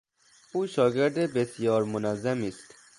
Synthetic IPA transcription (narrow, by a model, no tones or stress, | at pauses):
uːʃɒːɡeɾd̪ebesijɒːɾmonɒːzæmiːst̪